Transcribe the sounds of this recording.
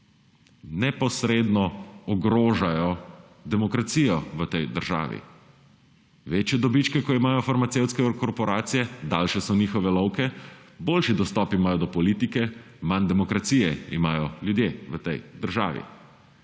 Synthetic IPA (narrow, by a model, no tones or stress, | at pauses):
nɛpɔsɾeːd̪nɔɔɡɾoːʒajɔ | d̪ɛmɔkɾat̪sijɔʋət̪ɛjd̪əɾʒa̰ːʋḭ | ʋeːt͡ʃjɛd̪ɔbit͡ʃkɛkɔimaːjɔfaɾmat̪sewt̪skɛkɔɾpɔɾaːt̪sijɛd̪aːlʃɛsɔniːxɔʋɛlɔwkɛboːlʃid̪ɔst̪ɔpimaːjɔd̪ɔpɔliːt̪ikɛ | mand̪ɛmɔkɾat̪sijɛḭmaːjɔljud̪jeːʋət̪ɛjd̪əɾʒa̰ːʋḭ